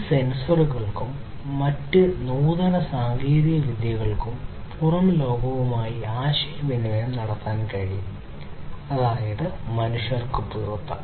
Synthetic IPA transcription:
se̞nsɐruɣɐɭkumː | ɐtːɨnuːðɐnɐsaːŋɡiːɾiɣɐʋid̪jɐɣɐɭkumpurɐmlo̞ːɡɐʋumaːjiaːɕɐjɐʋinɐʋɐjɐmnɐɽɐt̪ːaːnkɐɻijum | ɐðaːjɐðɨmɐnuʂɐrkupirut̪ːɐ

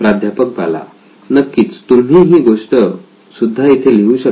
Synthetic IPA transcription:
pɾad̪ʱjapək̚d͡zʱa̰la̰ | nəkːiːt͡st̪um̤iɦiːɡoʂʈə | sud̪ʱːait̪ʰeliũːɕə

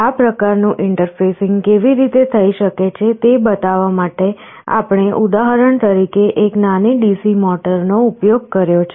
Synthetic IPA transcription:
apɾəkaɾnũʔɪɳʈəɾfesɪŋɡkeʋiɾit̪et̪ʰəiʃəket͡ʃʰet̪ebət̪aʋamaʈe | a̰pɳ̃eʔud̪aɦəɾəɳt̪əɾikeʔeknaniɖisimɔʈəɾnoupjoɡ̚kəɾjot͡ʃʰe

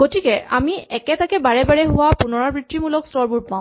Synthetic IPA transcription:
ɡotikɛʔa̰miɛkɛtakɛbaɹɛbaɹɛɦʊwapunɔɹaɹbɹitːimulɔkstɔɹbuɹ̚pãʊ̃

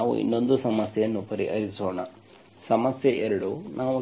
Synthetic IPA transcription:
aːʋṵḭnːo̞nd̪usɐmɐsjɐjɐnːupɐɾḭɦɐɾisoːɳa̰ | sɐmɐsjeʔɛɾɐɽunʔaːʋu

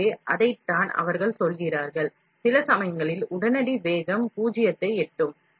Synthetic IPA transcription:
eːʔɐðɐɪt̪ːaːnɐ̰ʋɐɾɣɐɭsɔlɣɪraːɾɣɐɭ | sɪlɐsɐmɐjɐŋɡɐɭɪlʊɽɐnɐɽiʋeːɣɐmpuːd͡ʒɪjɐt̪ːɐɪɛʈːɯm

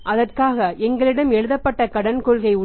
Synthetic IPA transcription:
ʔɐðɐrkaːɣɐɛŋɡɐɭɪɽɐmɛɻɯðɐpːɐʈːɐkɐɽɐnkɔɭɣɐɪʊ

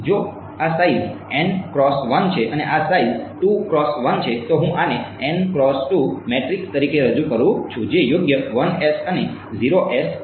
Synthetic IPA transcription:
d͡ʒo | asaiz | ɛnkɾɔsʋənt͡ʃʰeʔəneʔasaizʈukɾɔsʋənt͡ʃʰet̪oɦũʔaneɛnkɾɔsʈumeʈɾikst̪əɾikeɾəd͡ʒukəɾũt͡ʃʰũd͡ʒejoɡjəʋənɛsəneziɾoʔɛs

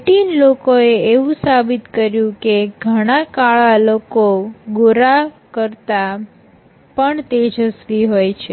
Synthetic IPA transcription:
ʈinlokoeeʋũsabit̪kəɾjũkeɡʱəɽ̃akaɭalokoɡoɾa | kəɾt̪a | pəɳt̪ed͡ʒʱəsʋiɦojt͡ʃʰe

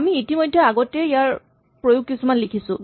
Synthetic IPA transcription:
amiitimojdʱːɛaɡɔtɛijaɹ | pɹojʊɡ̚kːisumanlikʰisʊ̰̃

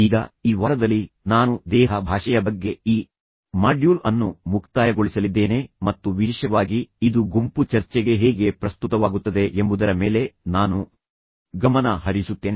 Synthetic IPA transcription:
iːɡɐ̰iːʋaːɾɐd̪ɐlːi | naːnud̪ɛːɦɐbʱaːʂɐjɐbɐɡːe̞iː | maːɖjuːlɐnːumukʰt̪aːjɐɡoɭisɐlid̪ːe̞ːne̞mɐt̪ːuʋiiʃɐʋaːɡiid̪uɡumput͡ʃɐɾt͡ʃɛɡe̞ɦeːɡe̞pɾɐst̪ut̪ɐʋaːɡut̪ːɐd̪e̞ʔembud̪ɐɾɐme̞ːle̞naːnu | ɡɐmɐnɐɦɐɾisut̪ːeːne

